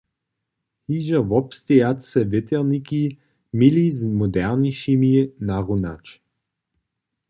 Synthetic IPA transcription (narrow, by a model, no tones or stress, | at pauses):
hiʒəvɔpst̪ɛjat̪sɛvɪt̪ɛʁniki | milizmod̪ɛʁniʃiminaʁuna̰t͡ʃ